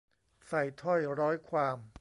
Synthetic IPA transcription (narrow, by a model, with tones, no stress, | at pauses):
sa˨˩jt̪ʰɔ˥˩jɾɔː˦˥jkʰwaː˧m